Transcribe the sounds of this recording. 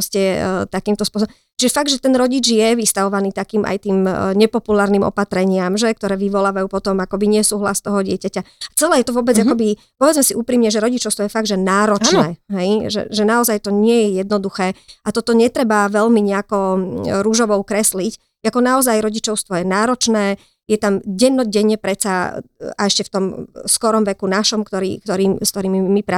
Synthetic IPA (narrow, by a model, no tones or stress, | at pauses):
scɛt̪akiːmt̪ɔspʊɔsɔbɔ | t͡ʃiʒɛfaɡ̚d̪ʒɛt̪ɛnɾɔɟid͡ʒjɛʋist̪aʋɔʋaniːt̪akiːmʔa̰jt̪iːmɲɛpɔpulaːɾnimɔ̰pat̪ɾɛɲɪamʒɛk̚t̪ɔɾɛːʋiʋɔlaːʋajuːpɔt̪ɔmakɔbiɲɪɛsuːɦla̰st̪ɔɦɔɟɪɛcacaat͡sɛlɛːjɛt̪ɔʋɔbɛd͡zakɔbi | pɔʋɛd͡zmɛsiʔuːpɾiːmɲɛʒɛɾɔɟit͡ʃɔʊst̪ʋɔjɛfaɡ̚d̪ʒɛnaːɾɔt͡ʃnɛːɦɛjʒɛ̰ʒɛnaɔzajt̪ɔɲɪɛjɛjɛd̪nɔd̪uxɛːat̪ɔt̪ɔɲɛt̪ɾɛbaʋɛʎmiɲɛakɔɾuʒɔʋɔʊkɾɛslic | akɔnaɔzajɾɔɟit͡ʃɔʊst̪ʋɔjɛnaːɾɔt͡ʃnɛː | jɛt̪amɟɛnːɔɟɛɲɛpɾɛt͡saaɛʃcɛft̪ɔmskɔɾɔmʋɛkunaʃɔmkt̪ɔɾḭːkt̪ɔɾiːmst̪ɔɾiːmiːipɾa